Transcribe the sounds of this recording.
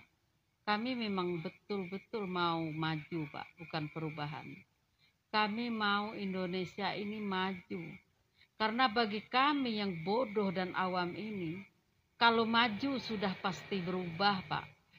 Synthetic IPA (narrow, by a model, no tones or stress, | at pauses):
kamimemaŋbət̪ʊlbət̪ʊlmaumad͡ʒupa̰ʔbukanpəɾubaɦa̰n | kamimauindonesiaʔinimad͡ʒu | kaɾənabaɡikamijaŋbodɔhdanʔawamini | kalomad͡ʒusudahpast̪ibəɾubahpa̰ʔ